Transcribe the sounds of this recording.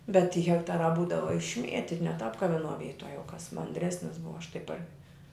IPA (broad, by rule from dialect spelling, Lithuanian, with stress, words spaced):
bʲɛt tʲiː ɣʲɛkˈtɑːrɑː ˈbuːdɐʋɐ ɪʃʲˈmʲiɛtʲɪ nʲɛ tɐp kɐ ʋʲɪˈnuɔ ˈʋʲiːtuɔ jɛʊ kɐs mɐnʲˈdʲrʲæːsʲnʲɪs ˈbʊʋɐ ɐʃ tɐɪ pɐr